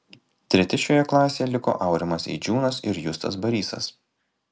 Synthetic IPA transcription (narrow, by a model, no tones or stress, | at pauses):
t̪ʲɾʲɛt̪ʲɪʃʲoːjɛklˠɑːsʲejɛlʲɪko̰ːʔɐʊɾʲɛmɐsḭːd͡ʒʲuːnɐsɪ̰ɾjʊst̪ɐ̰sbɐɾʲiːsɐ̰s